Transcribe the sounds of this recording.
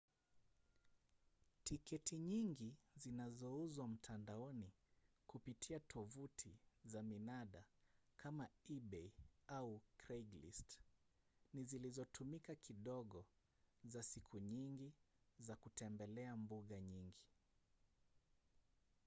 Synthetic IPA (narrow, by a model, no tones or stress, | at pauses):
tikɛtiɲiŋɡizinazɔuzwam̩tʰandaɔni | kupitʰiatʰɔvutʰizaminaɗakʰamaiɓɛiaukɾɛɡlḭst | nizilizɔtʰumikakʰiɗɔɠɔ | zasikʰuɲiŋɡi | zakutɛmbɛlɛambuɠaɲiŋɡi